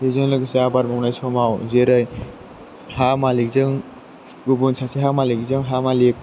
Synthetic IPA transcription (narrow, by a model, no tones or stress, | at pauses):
ezɯŋlɯkseabaɾmɔŋnajsʰɔmawzeɾɯj | hamalik̚zɯŋ | ɡubunsʰaseɦamalikzɯŋɦamalik̚